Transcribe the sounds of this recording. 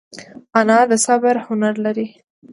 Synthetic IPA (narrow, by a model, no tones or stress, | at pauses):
anɑd̪əsabəɾhʊnaɾlaɾi